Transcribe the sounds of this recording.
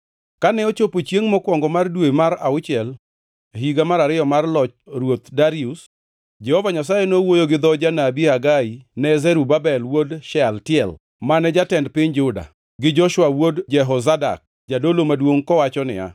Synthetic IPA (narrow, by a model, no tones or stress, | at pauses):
kanɛot͡ʃopot͡ʃjeŋmɔkwɔŋɡɔmardwemaɾa̰ʊt͡ʃɪɛl | ɦiɡamaɾaɾɪjɔmarlɔt͡ʃɾwot̪daɾius | d͡ʒɛhɔvaɲas̬ajɛnowojoɡɪd̪ɔd͡ʒanabiaɡainɛzɛɾubabɛlwodʃɛaltɪɛl | manɛd͡ʒatɛndpɪɲd͡ʒʊda̰ | ɡɪd͡ʒɔʃwawodd͡ʒɛɦɔzada̰k̚ | d͡ʒadolomadwoŋkɔwat͡ʃɔnɪ̰a̰